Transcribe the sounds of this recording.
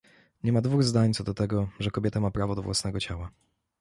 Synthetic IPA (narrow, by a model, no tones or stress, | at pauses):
ɲɛmad̪vuɣzd̪aɲt̪sɔd̪ɔt̪ɛɡɔʐɛkɔbʲjɛt̪amapɾavɔd̪ɔvwasnɛɡɔt͡ɕawa